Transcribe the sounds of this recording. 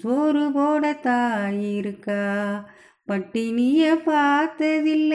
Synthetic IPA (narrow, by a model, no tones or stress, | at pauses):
soːɾɯpoːɽɐt̪ːaːjɪɾɯkːaː | pɐʈːiniːjɐpaːɾt̪ɐðɪlːɐ